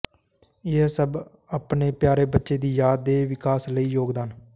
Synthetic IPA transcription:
ɪɦsəb | apneːpjaːɾeːbətːʃeːd̪iːjaːd̪ːeːʋɪkaːsləiːjoːɡd̪aːn

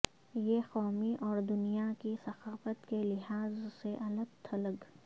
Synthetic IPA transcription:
jexɔːmiʔɔːɾd̪ʊnijakisɐxaːfət̪kelɪɦaːzseʔɐləɡ̚t̪ʰɐləɡ

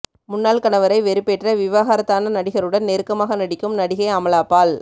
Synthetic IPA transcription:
mʊnːaːlkɐnɐʋɐɾɐɪʋɛɾɯpɛʈrɐʋɪʋaːɣaːɾɐt̪ːaːnɐnɐɽɪɣɐɭɯɽɐnneːɾkːɐmaːɣɐnɐɽɪkːɯmnɐɽɪɣɐɪɐmɐlaːpːaːɭ

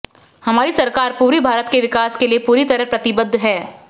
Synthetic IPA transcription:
hɐmaːɾisɐɾkaːɾpuːɾibʱaːɾət̪keʋɪkaːskeliepuːɾit̪ɐɾəpɾɐt̪ɪbəd̪ʱːɦɛː

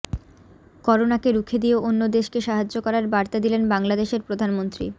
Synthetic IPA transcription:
kɔɾonakeɾukʰed̪ioʔonːod̪eʃkeʃaɦad͡ʑːokɔɾaɾbaɾt̪ad̪ilenbaŋlad̪eʃeɾpɾod̪ʱanmont̪ɾḭ

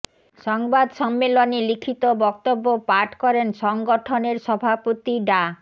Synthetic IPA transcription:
ʃɔŋbad̪ʃɔmːelonelikʰit̪obɔk̚t̪obːopaʈʰkɔɾenʃɔŋɡoʈʰoneɾʃɔbʱapot̪iɖa

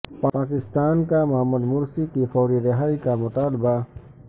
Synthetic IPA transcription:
paaːkɪst̪aːnkamaməd̪mʊɾsikifɔːɾiɾɪɦaːikamʊt̪aːlɪba

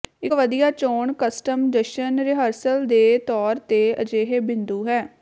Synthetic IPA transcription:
ɪkʋəd̪ijaːt͡ʃoːɳkəsʈəmd̪əʃənɾɪɦəɾsəld̪eːt̪ɔːɾt̪eːə̰d͡ʒeːɦeːbɪ̃nd̪uːɦɛː

